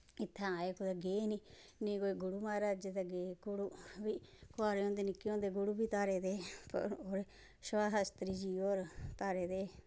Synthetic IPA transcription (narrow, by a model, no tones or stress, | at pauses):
ɪt̪ʰːãaːeːkod̪aɡeːniː | nĩːkoːiɡʊɽuːmaːɾaːd͡ʒed̪aːɡeːɡʊɽuːʋiːkoaːɾeõːnd̪eːnɪkːiõːnd̪eːɡʊɽuːbiːt̪aːɾeːd̪eːpə̰ɾoːɾe | ʃʋaːɦəst̪ɾiːd͡ʒiːoːɾt̪aːɾeːd̪eː